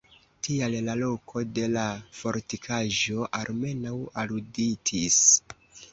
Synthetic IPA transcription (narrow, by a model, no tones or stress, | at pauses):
tiallalo̞kʰo̞de̞lafo̞ɾtikʰaʒo̞ʔalme̞nawaluditis